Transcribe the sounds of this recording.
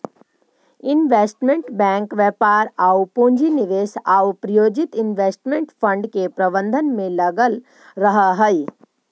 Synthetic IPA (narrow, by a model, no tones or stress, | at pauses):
ɪnʋeːsʈmẽɳʈbɛ̃ːŋkʋjɛpaːɾaupõːɲd͡ʒiniʋeːsaːupɾɐjoːd͡ʒɪt̪ɪnʋeːsʈmẽɳʈpʰə̃ɳɖkepɾɐbə̃nd̪ʱənmẽləɡəl | ɾəɦəɦəi